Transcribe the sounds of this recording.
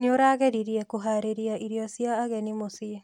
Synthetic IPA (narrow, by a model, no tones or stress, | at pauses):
neoɾaːɣɛɾiɾiɛkoɦaɾeɾjaʔiɾjɔsijaːɣɛnimosie